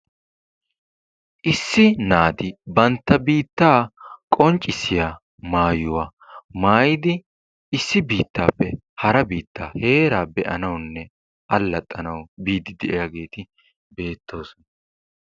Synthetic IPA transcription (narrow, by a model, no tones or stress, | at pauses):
ʔɪsːɪnaːt̪ɪbɐnt̪ːɐbiːt̪ːaːkʼɔnt͡ʃʼːɪsːɪjaː | maːjʊwaː | maːjɪd̪ɪ | ɪsːɪbiːt̪ːaːpːɛ | hɐɾɐbiːt̪ːaːhe̞ːɾaːbɛʔɐnɐwnːɛ | ʔɐlːɐt̪ʼːɐnɐwbiːd̪ɪd̪ɛʔɛjaɡe̞ːt̪ɪ | be̞ːt̪ʰːo̞ːsɔnɐ